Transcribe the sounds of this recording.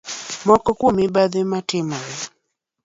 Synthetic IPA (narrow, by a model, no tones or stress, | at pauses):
mwakɔkumiɓaðɛmatɛma